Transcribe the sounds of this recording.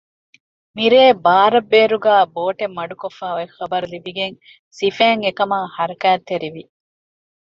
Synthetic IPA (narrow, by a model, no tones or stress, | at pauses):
miɾeːbaːɾɐbːeːɾuɡæːboːʈemːɐɖukofːaːoexɐbɐɾulibiɡeŋ | sifæːŋekɐmaːhɐɾɐkæːt̪ːeɾiʋi